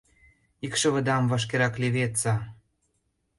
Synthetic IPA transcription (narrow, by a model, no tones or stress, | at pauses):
ikʃɤ̆βə̆d̪ɑmvɑʃ̬keɾɑkleβet̪t͡sɑ